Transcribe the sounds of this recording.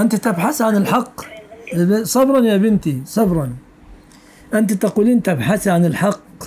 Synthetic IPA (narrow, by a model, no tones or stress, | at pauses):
ʔɪnt̪it̪abħaθʕanɪlħɑqː | bsˤɑbɾˤɑnjabɪnt̪isˤɑbɾˤɑn | ʔant̪it̪aquːliːnt̪abħaθʕanɪlħɑqː